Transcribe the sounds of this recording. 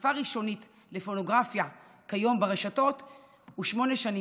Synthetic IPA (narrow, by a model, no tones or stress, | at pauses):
faʁiʃo̞nit | le̞fo̞no̞ɡʁafja | kajo̞mbaʁeʃato̞t | uʃmo̞ne̞ʃani